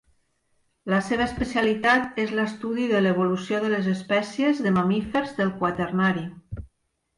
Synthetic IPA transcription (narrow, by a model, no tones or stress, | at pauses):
ləseβ̞əːspəsialit̪at̪ezləst̪uðiðəleβ̞olusjoðələzəspɛsjezðəmamifeɾzðəlˠkwat̪ərnaɾi